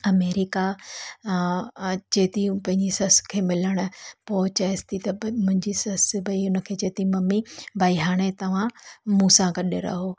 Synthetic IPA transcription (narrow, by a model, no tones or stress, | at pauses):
ɐmeːɾɪka | t͡ɕeːt̪ipɐ̃ɦɪ̃ɲd͡ʑisɐskʰeːmɪləɽ̃ʊpoːt͡ɕaɪst̪it̪ɐmʊ̃ɦɪ̃ɲd͡ʑisɐsbɐiʊnəkʰeːd͡ʑeːt̪imɐmibʱaːiɦaːɽ̃et̪ɐʋ̤ãmũːsãkɐɗeɾɐ̰ɦoː